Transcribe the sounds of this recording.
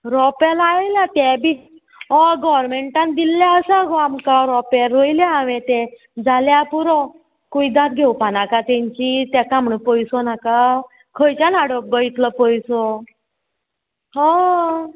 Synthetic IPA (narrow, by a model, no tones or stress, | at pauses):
ɾɔpɛlajljãt̪ɛ̃bi | ɦɔɡɔʋɾmeɳʈãnd̪ilːjaəsaɡɔamkaɾɔpɛlːojljaaʋet̪ɛ | d͡zaljapuɾɔ | kuid̪ãt̪ɡʱewpanakat̪ɛ̃ɲt͡ɕit̪ɛkamɳəpɔjsɔnaka | kʰəjt͡ɕanaɽɔp̚ɡɔit̪lɔpɔjsɔ | ɦɔ